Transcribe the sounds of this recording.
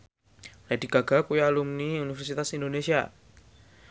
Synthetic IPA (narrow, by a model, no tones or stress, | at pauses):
ladiɡ̥aɡ̥akujalumniunifɛrsit̪asindonesia̰